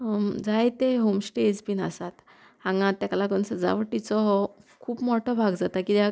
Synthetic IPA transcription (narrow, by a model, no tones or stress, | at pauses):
d͡zajt̪eɦomsʈed͡zpina̰sat̪ | ãŋɡãt̪aklakɔnsəd͡za̰ʋəʈit͡sɔɦɔkʰuːpmɔʈʰɔbʱaɡd͡zat̪akit̪a